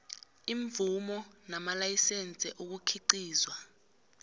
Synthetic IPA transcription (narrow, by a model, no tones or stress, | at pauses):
iɱvumɔnamalajisɛnt͡sʼɛ̰ʔok̬ukʰiǃiːzwa